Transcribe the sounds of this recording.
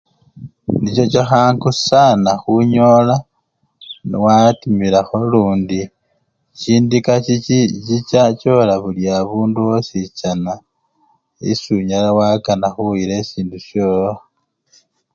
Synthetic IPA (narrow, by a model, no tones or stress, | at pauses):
nit͡ʃo̞t͡ʃaxaːŋkusanaxuɲola | niwatimilaxo̞luːndi | ciːndikait͡ʃit͡ʃat͡ʃo̞laβuljaβuːnduwosit͡ʃana | ḭsuɲalawakanaxuiɾesiːnduʃjoːla